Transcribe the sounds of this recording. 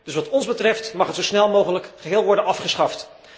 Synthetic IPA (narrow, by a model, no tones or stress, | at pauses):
d̥ɵsʋɑtɔnzbətrɛftmɑχətzosnɛlˠmowχələkχəɦɪːlˠʋɔɹdənɑfχəsχɑft